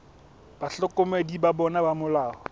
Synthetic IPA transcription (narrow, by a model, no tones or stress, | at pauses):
b̥aɬɔkʼʊmedibabɔnabamʊlaːhɔ